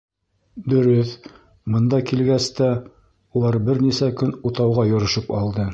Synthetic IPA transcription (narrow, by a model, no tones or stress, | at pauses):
d̪ɵ̆ɾɵθ | mɤ̆nd̪ɑkilɡæst̪æ | ulˠɑɾbɘɾnisækɵnut̪ɑwʁɑjŏɾɤ̆ʃɤpɑ̰lˠd̪ɤ